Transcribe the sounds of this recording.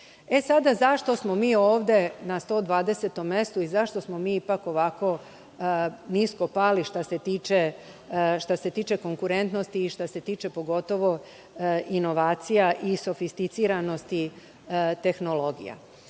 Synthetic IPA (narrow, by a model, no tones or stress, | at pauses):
e̞sad̪azaʃt̪o̞smo̞miːoːʋd̪e̞nast̪o̞d̪ʋaːd̪e̞se̞t̪o̞mːe̞st̪uizaʃt̪o̞smo̞miːipako̞ʋako̞ | nisko̞paliʃt̪aset̪iːt͡ʃe | ʃt̪ase̞t̪iːt͡ʃe̞ko̞ŋkuɾe̞nt̪nost̪iːʃt̪ase̞t̪iːt͡ʃepo̞ɡo̞t̪o̞ʋo̞ | ino̞ʋaːt̪sijaʔiso̞fist̪it̪siːɾano̞st̪i | t̪e̞xno̞lo̞ɡḭja̰